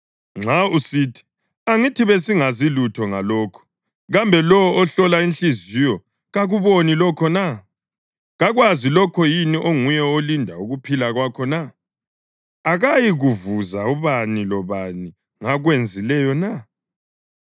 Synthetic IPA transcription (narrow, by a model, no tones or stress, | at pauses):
ŋ͡ǁʱausitʰi̥ | aŋitʰiβesiŋazilutʰɔŋalɔːkʰɔ̥ | ɣambʱɛlɔɔːɬɔlaint͡ɬizijɔ | ɣaɣuβonilɔkʰɔna | ɣaɣwazilɔkʰɔjiniʔoŋujɛolindʱauɣupʰilaɣwakʰɔna | ɣajiɣuvuzauβanilɔβani | ŋaɣwend͡zʱilɛjɔna